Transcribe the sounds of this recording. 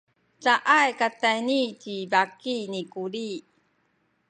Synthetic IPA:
t͡saʔajkat̪ːajnicivakinikuɾi

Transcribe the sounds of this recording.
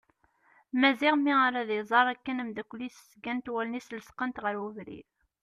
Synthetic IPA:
mæziʁmːiaɾæðizˤɑɾˤækːənəmd̪ækʷːlːisə̥sɡænt̪wælnisləsqənt̪ʁəɾuvɾḭ

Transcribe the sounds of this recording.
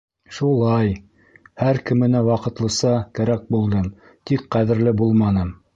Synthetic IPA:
ʃulˠɑj | hæɾkɘ̆mɘ̆næwɑqɤ̆t̪lˠɤ̆sɑkæɾæk̚bulˠd̪ɤm | t̪ikqæðɘ̆ɾlɘbulˠmɑnɤm

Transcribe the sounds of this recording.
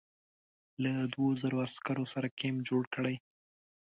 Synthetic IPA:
lad̪wozaɾoaskaɾosaɾakemd͡ʒoɽkəɽəj

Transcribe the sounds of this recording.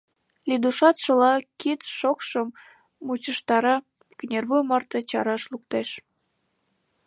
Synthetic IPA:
lid̪uʃɑt̪ʃəlɑkit̪ʃokʃəmː | ut͡ɕəʃt̪ɑɾɑ | kənʲerβujmɑrt̪ət͡ɕɑɾɑʃluk̚t̪eʃ

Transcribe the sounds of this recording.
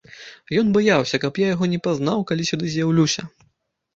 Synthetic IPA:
jɔnbajawsʲɐkɐpjajaɣɔnʲɛpaznawkalʲisʲud̪ɨzʲjawlʲusʲɐ

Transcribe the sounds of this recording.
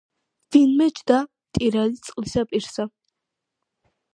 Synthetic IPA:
v̥inmɛt͡ʃʰd̪amt̪ʼiɾalit̪sʼqʼlisapʼiɾsa

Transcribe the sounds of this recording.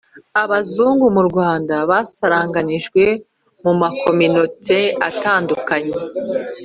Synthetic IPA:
aβazuːŋɡumuɾɡwaːndaβasaɾaːŋɡaniʒɡwe̞ | mumakʰo̞mino̞tʰe̞ataːndukaɲe̞

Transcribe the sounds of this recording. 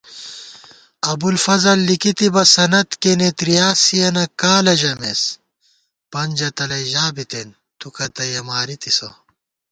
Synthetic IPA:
ɐbulfɐzɐlːikit̪ibɐsɐnɐt̪kenet̪ɾijaːsijɐnɐkaːlɐʑɐmes | pɐnʲd͡ʑɐt̪ɐlɐjʑaːbit̪en | t̪ukɐt̪ɐjɐmaːɾit̪iso̰

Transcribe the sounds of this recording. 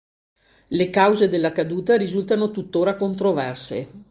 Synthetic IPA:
lekawzed̪elːakad̪uːt̪aɾizult̪anot̪ut̪ːoːɾakont̪ɾovɛrsḛ

